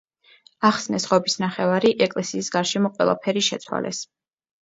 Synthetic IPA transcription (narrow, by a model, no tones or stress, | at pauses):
aχsnɛsʁɔbisnaχɛvaɾiʔɛkʼlɛsiːsɡaɾʃɛmɔqʼwɛ̰lˠa̰pʰɛɾiʃɛt̪sʰwa̰lʔɛ̰s